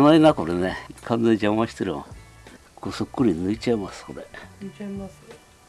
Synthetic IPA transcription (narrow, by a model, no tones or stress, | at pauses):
nainakoɾenekʰãnd͡zeɲd͡ʑamaɕi̥t̪eɾɯma̰ | kosokːuɾinɨit͡ɕaimaskoɾe